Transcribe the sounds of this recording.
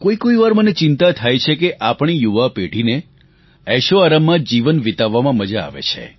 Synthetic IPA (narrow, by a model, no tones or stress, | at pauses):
koikoiʋaɾmənet͡ʃɪnt̪at̪ʰajt͡ʃʰekeʔapɳ̃ijuʋapeɽ̤ʱine | ɛʃoaɾəmːãd͡ʒiʋənʋit̪aʋːamãməd͡ʒa̰ːʋḛt͡ʃʰḛ